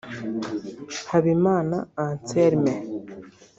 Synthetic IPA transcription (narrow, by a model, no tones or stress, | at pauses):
haβimaːnaːnt͡seɾime